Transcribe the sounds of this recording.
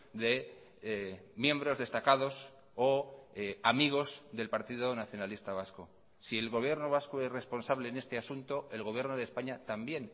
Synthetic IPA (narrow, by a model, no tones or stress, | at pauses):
ðe̞ | mje̞mbɾozðe̞st̪akaðo̞s | o | amiɣ̞o̞zðe̞lpaɾt̪iðonaθjo̞nalist̪aβ̞asko | sie̞lɣo̞β̞je̞ɾnoβ̞askoesre̞spo̞nsaβle̞ːne̞st̪e̞asunt̪o̞e̞lɣo̞βje̞ɾnoðespaɲat̪ambje̞n